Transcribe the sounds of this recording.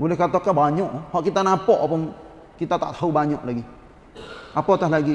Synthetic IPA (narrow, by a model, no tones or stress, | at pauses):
ɡulekat̪okːabaɲõʔhoʔkit̪anãpoʔpuŋ | kit̪at̪at̪həwbaɲõʔlaɡi | apot̪aɦlaɡi